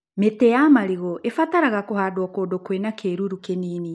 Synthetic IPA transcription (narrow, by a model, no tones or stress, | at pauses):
metɛjamaɾiɣɔʔefataɾaɣakoɦaːdwɔkoːdokwenakʰeːɾuɾukeniːni